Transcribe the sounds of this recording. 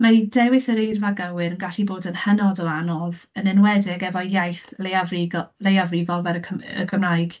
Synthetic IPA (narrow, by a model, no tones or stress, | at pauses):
maidɛwɪsəɾejrvaɡəwɨɾənɡaɬiboːdənhənɔdɔanɔvənɪnwɛdɪɡɛvɔjajθleavriɡɔlejavriːvɔlˠvɛɾkʰə̰ɡʰəmrajɡ̥